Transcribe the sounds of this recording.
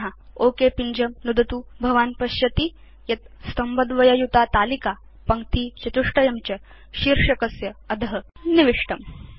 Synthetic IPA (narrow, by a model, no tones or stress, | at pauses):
ɦaoːkepiɲd͡ʑɐmnud̪ɐt̪uːbʱɐʋaːnpɐɕjɐt̪i | jɐt̪̚st̪ɐmbɐd̪ʋɐjɐjut̪at̪aːlika | pɐŋ̚t̪iːt͡ɕɐt̪uʂʈɐjɐmt͡ɕɐ | ɕiɾʂɐkɐsjɐːd̪ʱɐɦɐniʋiʂʈɐm